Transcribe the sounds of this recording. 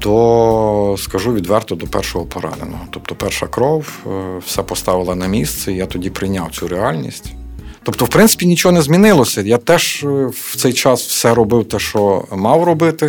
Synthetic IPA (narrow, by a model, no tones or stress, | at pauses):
d̪ɔ | skɐʒuʋʲid̪ʋɛrt̪ɔd̪ɔpɛ̰rʃɔɦɔpɔɾɑ̰nḛnɔ̰ɦɔt̪ɔpt̪ɔpɛrʃɐ̰kɾɔwwsɛpɔst̪ɑʋɪlˠɐnɐmʲist̪sɛijat̪ɔdʲipɾɪjnʲawt͡sʲuɾeɑlʲnʲḭsʲtʲ | t̪ɔpt̪ɔwpɾɪnɪ̥pʲinʲit͡ʃɔɦɔnɛzʲmʲinɪlˠɔsʲɐjat̪ɛʒwt̪sɛjt͡ʃɑswsɛɾɔbɪwt̪ɛʃt͡ʃɔmɑwɾɔbɪt̪ɪ